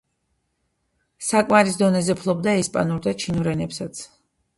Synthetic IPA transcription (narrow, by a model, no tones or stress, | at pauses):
sakʼmaɾis̬d̪ɔnɛzɛpʰlˠɔbd̪aɛspʼa̰nuɾd̪at͡ʃʰinuɾɛnɛpsat̪sʰ